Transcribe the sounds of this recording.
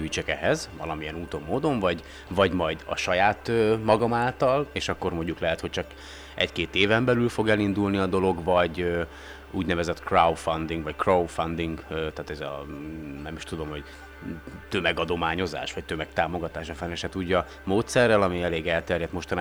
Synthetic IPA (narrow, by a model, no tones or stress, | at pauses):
yt͡ʃɛkɛɦɛzvɒ̰lɒmiɛnuːt̪o̞mːoːd̪o̞ɱvɒɟ | vɒɟmɒjd̪ɒ̰ʃɒjaːt̪ømɒɡɒmaːlt̪ɒleːʃɒkːo̞rmo̞ɲɟuklɛɦɛt̪ho̞ct͡ʃɒk | ʔɛ̰ckeːt̪eːvɛmbɛlylfo̞ɡɛlind̪ulniɒd̪o̞lo̞ɡvɒɟø | uːɟnɛvɛzɛt̪krawfɒnd̪iŋɡvɒckrowfɒnd̪iŋɡt̪aːt̪ɛzɒ̰nɛmiʃt̪ud̪o̞mho̞ɟ | t̪ømɛɡɒd̪o̞maːɲo̞za̰ːʃʋɒc̚t̪ømɛk̚t̪aːmo̞ɡɒt̪aːʃɒfɛnɛʃɛt̪uːɟɒ | moːt̪sɛrːɛlɒmiɛleːɡɛlt̪ɛrjɛt̪mo̞ʃt̪ɒna